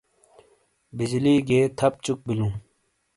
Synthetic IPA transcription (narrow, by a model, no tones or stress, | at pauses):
bid͡ʑliːɡeːt̪ʰɐp̚t͡ɕuk̚bilũː